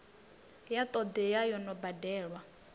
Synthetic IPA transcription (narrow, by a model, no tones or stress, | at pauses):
jat̪ʼɔd̪ɛjajɔnɔbadɛːɺwa